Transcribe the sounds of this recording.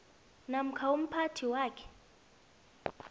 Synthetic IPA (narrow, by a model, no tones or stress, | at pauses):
nam̩kʰaum̩pʰatʰiwaːkʰɛ̥